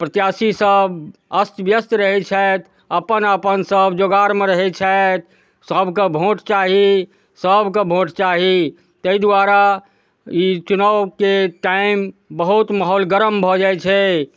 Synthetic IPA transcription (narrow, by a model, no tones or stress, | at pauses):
pɾət̪jasisəbʱəst̪bjəst̪ɾəɦɛt͡ʃʰɛt̪ʰ | əpənəpənsəbʱd͡ʒoɡaɾmeɾəɦɛt͡ʃʰɛt̪̚ | səbʱkebʱõʈt͡ʃaɦi | səbʱkebʱõʈt͡ʃaɦi | t̪əid̪waɾa | it͡ʃunəwkeʈaɪmbəɦut̪maɦolɡəɾəmbʱɔd͡ʒajt͡ʃʰɛ